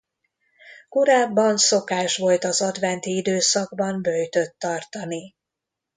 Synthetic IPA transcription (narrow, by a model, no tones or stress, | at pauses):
koɾaːbːɒnso̞kaːʃʋo̞lt̪ɒzɒd̪ʋɛnt̪iid̪øːsɒɡ̚bɒmbø̞jt̪ø̞t̪ːɒrt̪ɒni